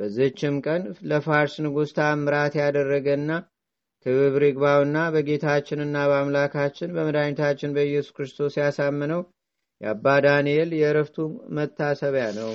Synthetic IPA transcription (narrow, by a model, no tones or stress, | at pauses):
b̥əzːɨɨt͡ʃːɪmkʼənləfaɾsnɨɡust̪ʰamɨɾat̪jad̪ərːəɡənːa | k̪ʰɨβɨβɾɨɡbawɨnːabəɡe̞t̪ʰat͡ʃːɪnɨnːabəamlakʰat͡ʃːɪnbəməd̪aɲut̪ʰat͡ʃːɪnbəjɛsu̥kɾɨst̪ʰo̞sjasamːɨnəw | jɛabːad̪anijeljɛɾəft̪ʰumət̪ʰːasəβjanəw